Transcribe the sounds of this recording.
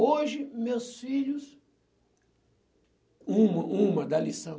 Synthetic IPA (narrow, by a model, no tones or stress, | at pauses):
oʒɪmewsfiʎʊs | ũmɐʔũmɐd̪ɐlisɐ̃